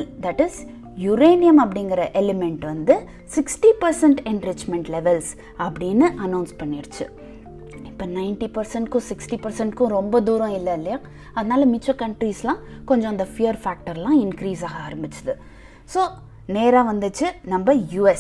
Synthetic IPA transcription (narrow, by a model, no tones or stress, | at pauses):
ld̪ɐʈːɪs | jʊɾeːnɪjɐmɐpːɐɽɪŋɡɪɾɐʔɛlɛmɛɳʈʋɐnd̪ɯ | sɪksʈipɐɾsɛɳʈɛɳɖɾɪt͡ʃmɛɳʈlɛʋɛls | ɐpːɐɽɪnːɯʔɐnɐʊnspɐɳːɪɾɯt͡ʃːɯ | ɪpːɐnɐɪnʈipɐɾsɛɳʈkʊ̃sɪksʈipɐɾsɛɳʈkʊ̃ɾɔmbɐd̪uːɾɐ̃ɪlːɐɪlːɪjaː | ɐðɐnaːlɐmɪt͡ʃːokɐɳʈɾiːslãːkɔɲd͡ʒɔ̃ɐnd̪ɐfɪjɐɾfaːk̚ʈɐɾlãːɪnkɾiːs̬aːɣɐaːɾɐmbɪt͡ʃːɐðɯ | soː | neːɾaːʋɐnd̪ɯt͡ʃːɯnɐmbɐjuːɛs